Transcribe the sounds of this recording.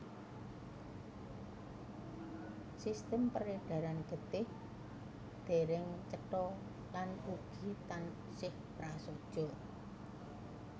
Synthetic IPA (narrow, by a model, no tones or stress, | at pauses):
sist̪əmpəɾeɖ̥a̤ɾanɡ̥ə̤t̪ɪh | d̪̥e̤ɾɪŋt͡ʃəʈɔ | lanuɡ̥i̤t̪an | sɪhpɾasod̥ʒ̥ɔ